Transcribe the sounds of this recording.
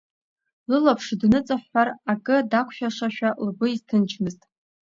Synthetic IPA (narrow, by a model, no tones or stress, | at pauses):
lɨlapʰʂdnɨt͡sʼaħarakʼɨdakʷʰʃᶣaʂaʃᶣalɡʷʊiztʰɨnt͡ʃʰmɨztʼ